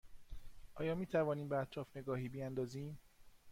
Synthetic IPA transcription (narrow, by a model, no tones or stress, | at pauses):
ʔɒːjɒːmiːt̪ʰævɒːniːmbeæt̪ʰɾɒːfne̞ɡɒːɦiːbiænd̪ɒːziːm